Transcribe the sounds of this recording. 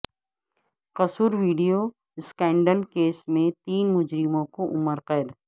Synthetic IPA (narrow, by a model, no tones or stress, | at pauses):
qɐsuːɾʋiːɖijo | skɛ̃ːɳɖəlkeːsmẽt̪iːnmʊd͡ʒɾɪmõkoʔʊməɾqɛːd̪